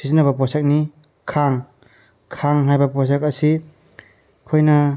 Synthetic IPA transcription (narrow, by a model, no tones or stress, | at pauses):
sizinːɐβɐpɔsak̚ni | kʰaŋ | kʰaŋɦajbɐpɔs̬akɐsi | kʰojnɐ